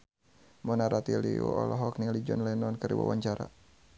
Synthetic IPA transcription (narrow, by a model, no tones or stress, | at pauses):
mɔnaɾat̪iliuɔlɔɦɔknilid͡ʒɔnlɛnɔnkəɾiwa̰waɲt͡ʃaɾa̰